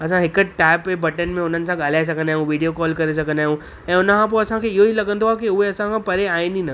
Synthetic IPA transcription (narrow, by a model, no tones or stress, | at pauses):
ɐsʰãɦɪkəʈaːɪpːebɐʈənmẽʊn̤ənɪ̆sãɡaːlaːes̬ɐkənaːɦũʋiɖijokɔːlkɐɾes̬ɐkənaːɦũ | ɛ̃ːʊnkãp̬oɐsãkʰeɪɦoɦilɐɡə̃nd̪oɦakiʊɦeɐsãkʰãpɐɾeaːẽnĩnə